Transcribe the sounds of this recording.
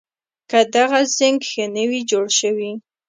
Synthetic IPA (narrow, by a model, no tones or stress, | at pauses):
kad̪aɣazəŋɡxənəwid͡ʒoɽʃəwi